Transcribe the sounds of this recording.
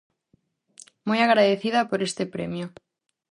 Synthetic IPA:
mojaɣɾaðeθið̞apoɾest̪epɾḛmjo

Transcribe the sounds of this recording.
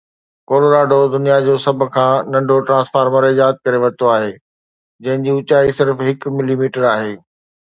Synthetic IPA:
koːloɾaːɖʱod̪ʊnijad͡ʑoːsɐbʱʊ̆kʰãːnɐ̃ɳɖʱoʈɾãːsfaːɾməɾɪjaːt̪̚kɐɾeʋɐt̪oaːɦeː | d͡ʑɐ̃ɦɪ̃ɲd͡ʑiːʊt͡ɕaːisɪɾfɦɪkmɪlimiːʈəɾaːɦeː

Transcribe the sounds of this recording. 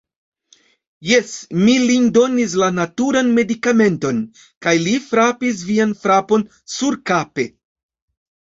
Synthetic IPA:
jesmilindo̞nis̬lanatuɾanme̞dikame̞nto̞n | kajlifɾapis̬vianfɾapo̞n | suɾkape̞

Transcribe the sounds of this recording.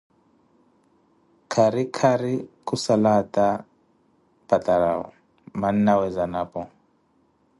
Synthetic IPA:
kʰaɾikʰaɾikʰusalata | pataɾa̰ɔ̰ | man̩nawɛzanapɔ

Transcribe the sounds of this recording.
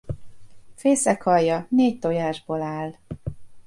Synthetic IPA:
feːsɛkhɒjːɒneːc̚t̪o̞jaːʒboːlaːl

